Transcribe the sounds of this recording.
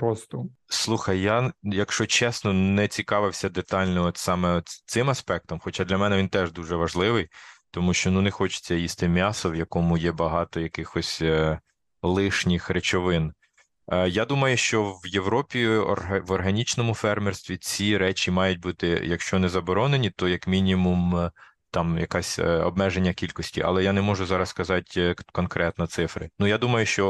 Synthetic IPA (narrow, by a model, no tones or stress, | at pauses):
pɾɔst̪ɔslˠuxɐjːajɐkʃt͡ʃɔt͡ʃɛsnɔnɛt͡sʲikɑʋɪwsʲɐd̪et̪ɑlʲnɔɔt̪sɑmɛɔt̪sɪmɐspɛk̚t̪ɔmxɔt͡ʃad̪lʲɐmɛnɛʋʲint̪ɛʒd̪uʒɛʋɐʒlˠɪʋɪjt̪ɔmuʃt͡ʃɔnunɛxɔt͡ʃɪ̥t͡sʲːɐjist̪ɪmʲɑsɔwjɐkɔmʊjɛbɐɦɑt̪ɔjɐkɪxɔsʲ | lˠɪʃnʲixɾet͡ʃɔʋɪn | jad̪umɐjʊʃt͡ʃɔʋjeʋɾɔpʲḭʋɔrɦɐnʲit͡ʃnɔmʊfɛrmɛrst̪ʋʲit͡sʲiɾɛt͡ʃʲimɑjʊt̚ʲbut̪ɪ̰jɐkʃt͡ʃɔnɛzɐbɔɾɔnenʲit̪ɔjɐkmʲinʲimum | t̪ɑmjɐkɑsʲɔ̰bmɛʒenʲːɐkʲilʲkɔsʲtʲḭʔɐ̰lˠɛjanɛmɔʒʊzɑɾɐskɐzɑtʲkɔnkɾɛt̪nɐt̪sɪfɾɪ̰nujad̪umɐjʊʃt͡ʃɔ